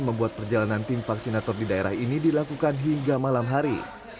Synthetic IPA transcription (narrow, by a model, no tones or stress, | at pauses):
məmbuat̪̚pərd͡ʒalanant̪imfaksinat̪ɔrdidaeɾa̰hinidilakukanɦiŋɡamalamɦaɾi